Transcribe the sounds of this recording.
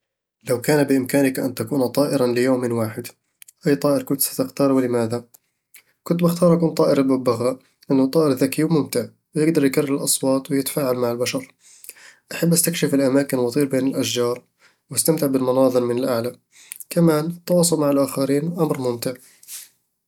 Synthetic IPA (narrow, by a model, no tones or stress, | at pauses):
lawkaːnabɪʔɪmkaːnɪkʔa̰nt̪akuːnt̪ˤɑːʔɪɾalɪjoːmɪnwaːħɪd̪ | ʔajːt̪ˤɑːʔɪɾkʊnt̪sḁt̪ɪxt̪ɑːɾˤwɪlɪmaːða | kʊnt̪bɪxt̪ɑːɾˤʔakuːnt̪ˤɑːʔɪɾɪbʊbaɣa | lʔɪnːʊt̪ˤːɑːʔɪɾðakiːwmʊmt̪ɪʕ | wɪjɪɡd̪ɑɾˤjkarˤːɪlʔɑsˤwɑːt̪ˤwɪjɪt̪ḁfaːʕalmaʕalbaʃɑɾˤ | ʔaħabːʔast̪akʃɪfɪlʔamaːkɪnwɑt̪ˤiːɾbeːnɪlʔaʃd͡ʒɑːɾˤ | wjɪst̪amt̪ɪʕbɪlmʊnɑːðˤɨɾmɪnalʔaʕla | kamaːnʔɪt̪ːɑwɑːsˤʊlmaʕalʔaːxaɾiːnʔamɾmʊmt̪ɪʕ